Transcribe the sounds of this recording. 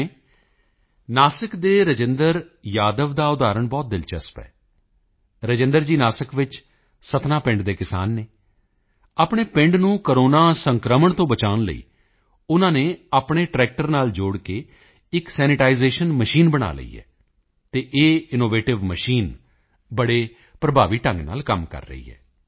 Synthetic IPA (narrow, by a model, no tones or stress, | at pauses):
naːsəkd̪eːɾəd͡ʒɪnd̪əɾjaːd̪əʋd̪aːʊd̪aːɾəɳbɔːt̪̚d̪ɪlt͡ʃəspɛ̰ː | ɾəd͡ʒɪ̃nd̪əɾd͡ʒiːnaːsəkʋɪt͡ʃ | sət̪naːpɪ̃ɳɖd̪eːkɪsa̰ːnːeː | aːpɳeːpɪ̃ɳɖnũːkəɾoːnaːsəŋkɾəməɳt̪õːbət͡ʃaːʋnlə̰ḭː | ʊnãːneːaːpɳ̃eːʈɾɛːk̚ʈəɾnaːld͡ʒoːɽkeː | ɪksɛːnɪʈaːizeːʃənməʃiːnbəɽa̰ːlə̰ḭːɛ̰ː | t̪eːʔeːɪnoːʋeːʈɪʋməʃiːn | bəɽeː | pɾəbʱaːʋiːʈə̃ŋɡna̰ːlkəmkə̰ɾːə̰ɦḭːɦɛ̰ː